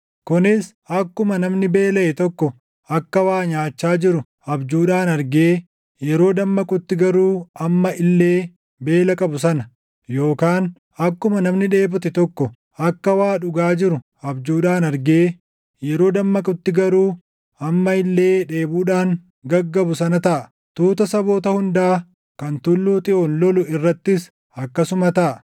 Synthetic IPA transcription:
kʊnɪs | ɐkːʊmɐnɐmnɪbe̞ːlɐʔɛt̪ɔkːɔ | ɐkːɐwaːɲaːt͡ʃːaːd͡ʒɪɾʊ | ɐbd͡ʒuːᶑaːnɐɾɡeː | jɛɾo̞ːd̪ɐmːɐkʼʊt̪ːɪɡɐɾuːɐmːɐʔɪlːe̞ː | be̞ːlɐkʼɐbʊsɐnɐ | jo̞ːkaːn | ɐkːʊmɐnɐmnɪᶑe̞ːbʊt̪ɛt̪ɔkːɔ | ʔɐkːɐwaːᶑʊɡaːd͡ʒɪɾʊ | ɐbd͡ʒuːᶑaːnɐɾɡeː | jɛɾo̞ːd̪ɐmːɐkʼʊt̪ːɪɡɐɾuː | ɐmːɐɪlːe̞ːᶑe̞ːbuːᶑaːŋ | ɡɐɡːɐbʊsɐnɐt̪ɐʔɐ | t̪uːt̪ɐsɐbo̞ːt̪ɐhʊnd̪aː | kɐnt̪ʊlːuːt̪ʼɪʔonlɔlʊɪrːɐt̪ːɪs | ɐkːɐsʊmɐt̪ɐʔɐ

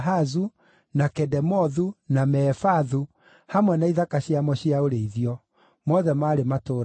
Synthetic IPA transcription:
ɦazu | nakɛdɛmɔðunamɛːfaðu | hamwɛnaiðakaɕiamɔɕiaoɾeiðiɔ | mɔðɛmaːɾematoːɾ

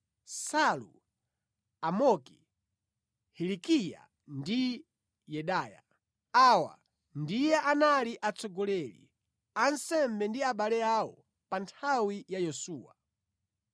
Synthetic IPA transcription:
salṵ | amɔki̥ | hɛlikija̰ | ndi | jɛɗaːja̰ | awa̰ | ndijɛʔanaliʔat͡sɔɡɔlɛlḭ | ansɛmbɛndiaɓalɛaɔ | pantʰawijajɔsuːwa̰

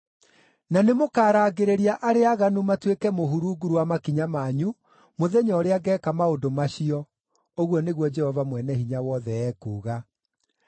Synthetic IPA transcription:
nanemokaːɾaːɡeɾeɾiaʔaɾeaɣanumatwekɛmoɦuɾuːɡuɾuwamakiɲamaːɲu | moðɛɲɔːɾeaɡɛːkamaodomaɕiɔ | oɣwɔneɣwɔd͡ʒɛhɔvamwɛnɛhiɲawɔðɛɛːkuːɣa

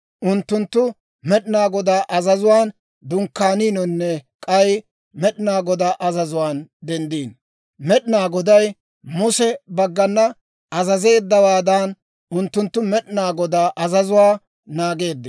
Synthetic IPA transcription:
ʔʊnt̪ːʊnt̪ːʊ | mɛɗɪnaːɡɔd̪aːʔɐzɐzʊwaːn | d̪ʊŋkːaːniːnɔnːɛkʼɐj | mɛɗnaːɡɔd̪aːʔɐzɐzʊwaːnd̪ɛnd̪iːn | mɛɗɪnaːɡɔd̪ɐj | mʊsɛbɐɡːɐnːɐ | ɐzɐze̞ːd̪ːɐwaːd̪an | ʊnt̪ːʊnt̪ːʊmɛɗɪnaːɡɔd̪aːʔɐzɐzʊwaː | naːɡe̞ːd̪ːɛ

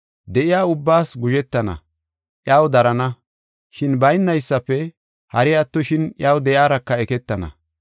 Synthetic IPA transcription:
d̪ɛʔɪjaːʊbːaːsɡʊʒɛt̪ːɐnɐ̰ | ʔjaːwd̪ɐɾɐnɐ | ʃɪnbɐjnːɐjsːɐpːɛ | hɐɾɪɐt̪ːɔʃɪnjaːwd̪ɛʔjaːɾɐkːɐɛkɛt̪ːɐnɐ̰

